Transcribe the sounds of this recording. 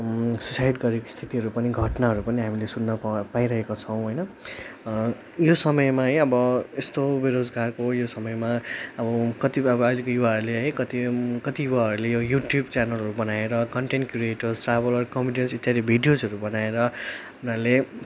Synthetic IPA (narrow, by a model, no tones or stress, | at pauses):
susajʈɡʌɾekost̪ʰit̪iɦʌɾupʌniɡʱʌʈnaɦʌɾupʌniɦamilesunːʌpaĩɾʌɦekot͡sʰʌw̃ɦʌjnʌ | josʌmʌjmaɦʌjʌbʌest̪obeɾod͡zɡarkojosʌmʌjmaʌbʌkʌt̪ibʌʌjlikojuwaɦʌɾuleɦʌjkʌt̪ikʌt̪ijuwaɦʌɾulejojuʈjubt͡sanʌlɦʌɾubʌnaeɾʌkʌɳʈeɳʈkrieʈʌrsʈrabʌlʌrkʌmbiɖjensit̪ːjaɾibʱiɖijod͡zɦʌɾubʌnaeɾʌ | unale